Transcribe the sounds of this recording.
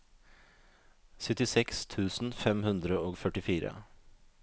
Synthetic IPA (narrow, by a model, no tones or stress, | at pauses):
sœt̪ɪsɛkst̪ʰʉːsn̩fɛmhʉnd̪ɾəoːɡfœʈɪfiːɾə̰